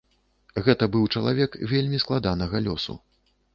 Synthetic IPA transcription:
ɣɛt̪ɐbɨwt͡ʂɐlˠa̰vʲɛkvʲelʲmʲisklˠad̪anɐɣɐlʲɔ̰sṵ

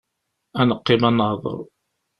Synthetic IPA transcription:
ænəqːimænːəhðˤə̰ɾˤ

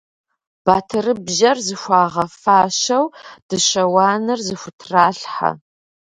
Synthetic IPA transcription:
b̥aːtʰɨrɨbʒɐrzɨxʷɑːʁɐfaːɕɐwd̥ɨɕɐwaːnɨrzɨxʷʊtʰraːɬħa̰

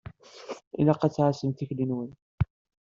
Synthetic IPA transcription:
ḭnæqæt͡sːʕasəmt̪içlinwən

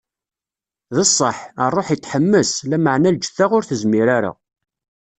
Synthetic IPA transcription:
ðəsˤːəħərˤːoħjət̪ːħəmːəslæməʕnæld͡ʒəθːaʁʊɾθəzmiɾaɾæ̰

